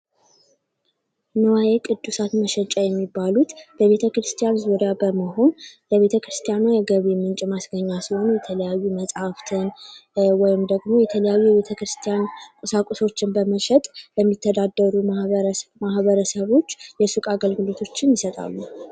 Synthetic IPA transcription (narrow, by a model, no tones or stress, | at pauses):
nəwajekʼɨd̪ːusat̪məʃɛt͡ʃʼajɛmːibːalut̪bəe̞t̪ʰəkɾɨst̪ʰijanzuɾjabəməɦo̞nləβe̞t̪ʰəkɾɨst̪ʰijanajɛɡəβemɨnt͡ʃʼmasɡəɲːasiho̞nujɛt̪ʰələjajːuməsʼhaft̪ʰɨnwɔjɪmd̪əɡmo̞jɛt̪ʰələjajːujɛβe̞t̪ʰəkɾɨst̪ʰijankʼəsakʼuso̞t͡ʃːɪnbəməʃɛt̪ʼləmːit̪ʰːəd̪ad̪ːəɾu | mahβəɾəsəβo̞t͡ʃːjɛsukʼaɡəlɡɨlo̞t̪ʰo̞t͡ʃːɪnjɪsət̪ʼa̰lːu